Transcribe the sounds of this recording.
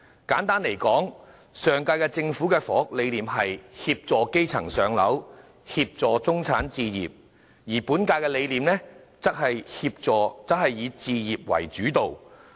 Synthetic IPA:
kaː˨˥nt̪aː˥nle˨˩jkɔː˨˥ŋ | sœː˨ŋkaː˧kɛː˧t͡sɪ˧ŋfuː˨˥kɛː˧fɔː˨˥ʊ˥k̚le˨˧jliː˨˧mɦɐ˨jhiː˧p̚t͡sɔː˨˧ke˥jt͡sʰɐ̰˨˩ŋsœː˨˧ŋlɐ˨˥w | hiː˧p̚t͡sɔː˨t͡sʊ˥ŋt͡sʰaː˨˥nt͡siː˧jiː˨p̚ | jiː˨˩puː˨˥nkaː˧jkɛː˧le˨˧jliː˨mnɛː˥ | t͡sɐ˥t̚hɐ˨jhiː˧p̚t͡sɔː˨˧t͡sɐ˨˥hɐ˨jːiː˨˧t͡siː˧jiː˨p̚wɐ̰˨˩jt͡ʃyː˨˥t̪o˨w

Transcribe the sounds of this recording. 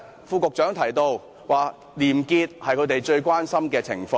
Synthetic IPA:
fuː˧kʊ˨k̚t͡ʃœː˨˥ŋt̪ʰɐ˨˩jt̪o˧w | waː˨˩ | liː˨˩mkiː˧t̚hɐ˨jkʰɵ˨˧˥t̪e˨jt͡ʃɵ˧ɥkʷwaː˥nsɐ˥mkɛː˧t͡sʰɪ˨˩ŋfɔː˧

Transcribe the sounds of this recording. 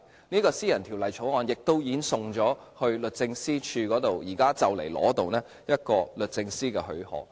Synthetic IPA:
niː˥kɔː˧siː˥jɐ˨˩nt̪ʰi˨˩lɐ˨˩jt͡sʰo˨˥wŋɔː˨˧njɪ˨k̚t̪o˥wjiː˨˥nsʊ˨ŋt͡ʃɔː˨˥hɵ˧ɥlɵ˨t̚t͡sɪ˧ŋsiː˥t͡ʃʰyː˧kɔː˨˥t̪o˨wjiː˨˩kaː˥t͡sɐ˨wle˨˩jlɔ̰ː˨˥t̪o˨wnɛː˥ | jɐ˥t̚kɔː˧lɵ˨t̚t͡sɪ˧ŋsiː˥kɛː˧hɵ̰˨˥ɥhɔ̰ː˨˥

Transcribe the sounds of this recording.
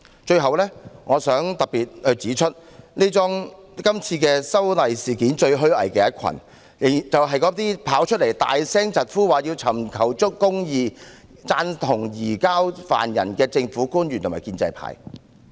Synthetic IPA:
t͡ʃɵ˧ɥɦɐ˨wlɛː˥ŋɔː˨˧sœː˨˥ŋt̪ɐ˨k̚piː˨t̚hɵ˧t͡siː˨˥t͡ʃʰɵ˥t̚ne˥t͡sɔː˥ŋkɐ˥mt͡sʰiː˧kɛː˧sɐ˥wlɐ˨jsiː˨˩kiː˨˥nt͡ʃɵ˧ɥɦɵ˥ɥɐ̰˨˩jkɛː˧jɐ˥t̚kʰɐ̰˨˩n˨˩ | t͡sɐ˨wɦɐ˨jkɔː˨˥t̪iː˥pʰaː˨˥wt͡ʃʰɵ˥t̚le˨˩jt̪a̰ː˨jsɛː˥ŋt͡sɐ˨t̚fuː˥waː˨˩jiː˧wt͡sʰɐ˨˩mkʰɐ˨˩wt͡ʃʊ˥kkːʊ˥ŋjiː˧ | t͡saː˧nt̪ʰʊ˨˩ŋjiː˨˩kaː˥wfa̰ː˨˩njɐ̰˨˩nkɛː˧t͡sɪ˧ŋfuː˨˥kuː˥njyː˨˩t̪ʰʊ˨˩maː˨˩jkiː˧nt͡sɐ̰˧jpʰa̰ː˨˥j

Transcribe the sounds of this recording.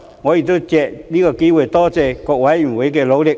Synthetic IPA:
ŋɔ˨˧˦i˨t͡so˥˦t͡ɕɛ˨ʔli˦˥ɡə˧ki˧˦we˧˨˩t̪ɔ˥˦t͡sɛ˧ko˨wa˨˧˦i˨˩˨we˨˧˦k̬e˧lo˨˧˦le˧˨

